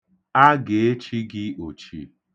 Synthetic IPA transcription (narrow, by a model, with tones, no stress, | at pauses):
a˦ɡe˨e˦t͡ʃi˦ɡɪ˦o˨t͡ʃḭ˨